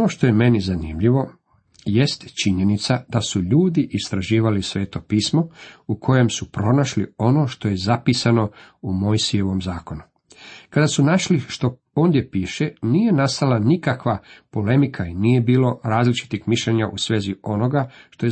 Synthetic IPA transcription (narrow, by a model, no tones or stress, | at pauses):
ono̞ʃt̪o̞je̞me̞nizanimʎiʋo̞ | je̞st̪t͡ʃiɲe̞nit̪sad̪̥asuʎuːd̪iʔist̪ɾaʒiːʋalisʋeːt̪o̞piːsmo̞ukʰo̞je̞msupɾo̞naʃlḭo̞no̞ʃt̪o̞je̞zapisano̞ | umo̞jsije̞ʋo̞mzaːko̞nu | kad̪asunaʃliʃt̪o̞ | oːnd̪je̞piːʃeniːje̞nast̪alanikakʋapo̞le̞mikʰainiːje̞biːlo̞ɾaːzlit͡ʃi̥t̪ixmiʃʎeɲaʔusʋe̞ːzio̞no̞ɡaʃt̪o̞je